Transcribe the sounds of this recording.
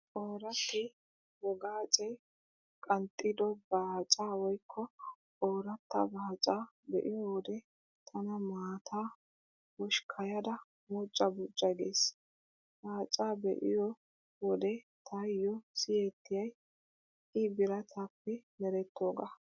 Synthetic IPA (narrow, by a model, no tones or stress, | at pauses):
ʔoːɾɐt̪ːɪ | wɔɡaːt͡ʃʼɛj | kʼɐnt̪ʼːɪd̪ɔbaːt͡ʃʼaːwɔjkʰːɔ | oːɾɐt̪ːɐ̰baːt͡ʃʼaː | bɛ̰ʔɪjɔwɔd̪ɛ | t̪ʰɐnɐmaːt̪ʰaː | wɔʃkʰɐjɐd̪ɐ | mʊt͡ʃʼːɐbʊt͡ʃʼːɐɡḛːs | b̥aːt͡ʃʼaːbɛ̰ʔɪ̰jɔ | wɔd̪ɛ | t̪ʰɐjːɔsɪjet̪ːɪjɐj | ɪbɪɾɐt̪ʰapːɛmɛɾɛt̪ːo̞ːɡɐ